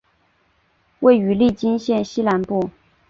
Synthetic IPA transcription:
we˥˩ɪy˧˥li˥˩t͡ɕi˥nɕjɛ˥˩˧nɕi˥la˧˥npu˥˩

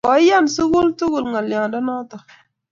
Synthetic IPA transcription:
kɔ˨˦ja˦˨nsu˦ɡu˦ltu˦ɣu˨lŋa˨lja˨dɔ˦nɔ˦tɔ˨

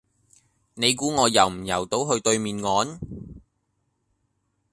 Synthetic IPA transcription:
ne˨˧jk̬uː˨˥ŋɔː˨˧jɐ˨˩wm̩˨˩jɐ̰˨˩wt̪o˨˥wɦɵ˧ɥt̪ɵ˧ɥmiː˨nŋɔː˨˥n

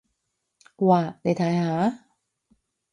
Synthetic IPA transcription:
waː˨˧˩ne˨˥jt̪ʰaː˨˥jhaː˨˦

